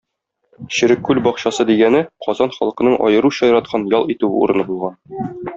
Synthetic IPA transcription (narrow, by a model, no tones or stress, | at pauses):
ɕɘ̆ɾɘkːʉlbɒqɕɑsɤd̪iɡænɘqɒzɑnχɒ̰lˠɤ̆qɤ̆nɤɴʔɒ̰jɤ̆ɾuɕɑjɤ̆ɾɑt̪̚qʰɑnjɒlˠit̪ʉɘṵɾɤ̆nɤbulˠʁɑn